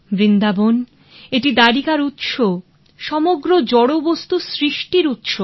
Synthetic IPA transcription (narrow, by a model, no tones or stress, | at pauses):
bɾind̪abon | eʈid̪aɾikaɾut̪ʃo | ʃɔmoɡɾod͡ʑɔɽobost̪usɾiʃʈiɾut̪ʃo